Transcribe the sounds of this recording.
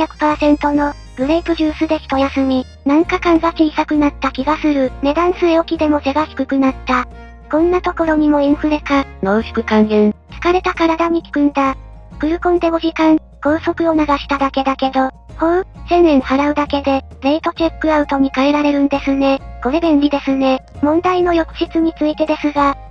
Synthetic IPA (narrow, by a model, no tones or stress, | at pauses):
çʲjakɯ̟̥paːsẽ̞nt̪o̞no̞ | b̥ɯ̟ɾeipɯ̟ʑɨːsɨd̪e̞kʲi̥t̪o̞jasɨmʲi | nãŋkakãŋɡat͡ɕiːsakɯ̟nat̪ːakʲiɡasɨɾɯ̟ne̞d̪ãɰ̃sɨeokʲid̪e̞mo̞se̞ɡaɕi̥kɯ̟kɯ̟nat̪ːa | kõ̞nːat̪o̞ko̞ɾo̞ɲ̟imo̞ĩɰ̃ɸɯ̟ɾe̞kanoːɕi̥kɯ̟kãŋɡẽɰt͡sɨ̥kaɾe̞t̪akaɾad̪aɲ̟ikʲi̥kɯ̟̃nd̪a | kɯ̟ɾɯ̟kõ̞nd̪e̞ɡoʑikãŋ | ɡ̥o̞ːso̞kɯ̟o̞naɡaɕi̥t̪ad̪ake̞d̪ake̞d̪o̞ | hosẽ̞nːẽ̞ɰ̃haɾaɯ̟d̪ake̞d̪e̞ | ne̞it̪o̞t͡ɕe̞kːɯ̟aɯ̟t̪o̞ɲ̟ikaeɾaɾe̞ɾɯ̟̃nd̪e̞sɨne̞ɡ̥o̞ɾe̞bẽ̞nɾʲid̪e̞sɨne̞mõ̞nd̪ainojo̞kɯ̟̥ɕit͡sɨɲ̟it͡sɨit̪e̞d̪e̞sɨɡa